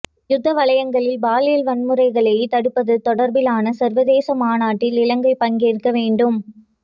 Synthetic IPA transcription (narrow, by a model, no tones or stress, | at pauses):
jʊd̪ːɐʋɐɭɐjɐŋɡɐɭɪlbaːlelʋɐnmɯɾɐɪɣɐɭɐjt̪ɐɽɯpːɐðɯt̪ɔɽɐɾbɪlaːnɐsɐɾʋɐðeːsɐmaːnaːʈːɪlɪlɐŋɡɐɪpɐnɡeːɾɯkːɐʋeːɳɖɯm